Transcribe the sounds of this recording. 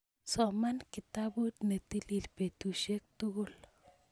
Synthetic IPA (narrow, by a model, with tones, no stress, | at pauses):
sɔmanki˨t̪abu˦t̪ne˨t̪ili˨lpe˨t̪u˨ʃe˦k̚t̪uul